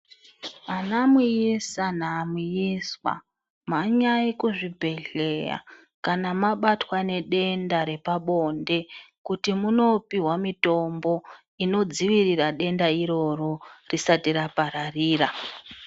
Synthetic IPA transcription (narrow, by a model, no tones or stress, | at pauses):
anamujisanaːmujiswa̰ | maɲaikuʐibʱe̞ɮe̞ja̰ | kanamaɓatwane̞ɗe̞ndaɾe̞paɓo̞nde̞kutimuno̞piɦwamito̞mbo̞ | ino̞d͡ziʋiriraɗe̞ndaiɾo̞ro̞risatiɾapaɾariːra